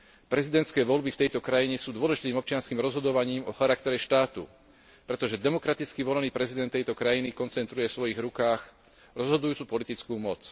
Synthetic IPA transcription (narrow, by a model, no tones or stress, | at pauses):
pɾɛzid̪ɛnt̪skɛːʋɔlbift̪ɛjt̪ɔkɾajiɲɛsuːd̪ʊɔlɛʒit̪iːmɔp̚t͡ʃɪanskiːmɾɔzɦɔd̪ɔʋaɲiːmɔxaɾakt̪ɛɾɛʃt̪aːt̪ṵ | pɾɛt̪ɔʒɛd̪ɛmɔkɾat̪it͡skiʋɔlniːpɾɛzid̪ɛnt̪ːɛjt̪ɔkɾajinikɔnt͡sɛnt̪ɾujɛfsʋɔjiɣɾukaːx | ɾɔzɦɔd̪ujuːt͡supɔlit̪it͡skuːmɔt͡s